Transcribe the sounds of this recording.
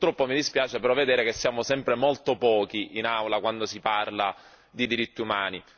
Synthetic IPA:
t̪ːɾɔpːomid̪ispjaːt͡ʃepeɾɔvːed̪eːɾekesːjaːmosɛmpɾemolt̪opɔːkiʔinawlakwand̪osiparla | d̪id̪iɾit̪ːiumaːni

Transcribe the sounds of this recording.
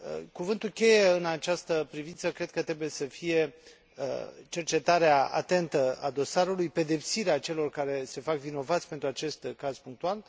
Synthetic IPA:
ə̰kuvɨnt̪ulkʲe̞jeɨnat͡ʃast̪əpɾivint̪səkɾe̞d̪̚kət̪ɾebuje̞səfije̞̰ | t͡ʃe̞rt͡ʃe̞t̪aɾeaa̰t̪e̞nt̪əa̰d̪o̞saɾulujpe̞d̪e̞psiɾeat͡ʃe̞lo̞rkaɾe̞se̞fakvino̞vat̪sʲpent̪ɾuat͡ʃe̞st̪kaz̥puŋk̚t̪ual

